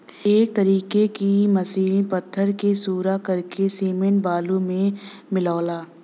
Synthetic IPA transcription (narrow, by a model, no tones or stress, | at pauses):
eːk̚t̪əɾiːkekimɐsiːlpət̪ʰːəɾkesuːɾakɐɾkesiːmẽnbaːlumẽmɪlaːlaː